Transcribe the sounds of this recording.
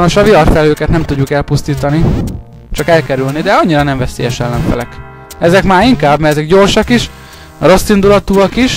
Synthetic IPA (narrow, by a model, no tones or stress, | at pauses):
noʃɒviɒrfɛløːkɛt̪nɛmt̪uɟːukɛlpust̪iːt̪ɒni | t͡ʃɒkɛlkɛɾylnid̪ɛɒɲːiɾɒnɛɱvɛseːjɛʃɛlːɛɱfɛ̰lɛk | ɛzɛkmaːɾiŋkaːbmɛɛzɛɡɟo̞rʃɒkiʃ | ro̞sːind̪ulɒt̪uɒkiʃ